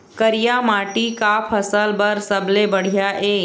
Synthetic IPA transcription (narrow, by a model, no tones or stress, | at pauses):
kəɾijamaːʈikapʰɐsəlbəɾsəblebɐɽ̤ijaʔeː